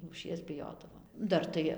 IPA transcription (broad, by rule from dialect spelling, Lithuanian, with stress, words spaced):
lˠuːˈʃʲiɛs bʲɪˈjoːdɐʋoːm ˈdɐr tɐɪ